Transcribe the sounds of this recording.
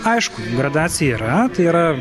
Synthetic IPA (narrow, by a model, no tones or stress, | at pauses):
ɐɪʃkʊɡɾɐd̪aːsʲɪjɛiːɾɐt̪ɐɪiːɾɐ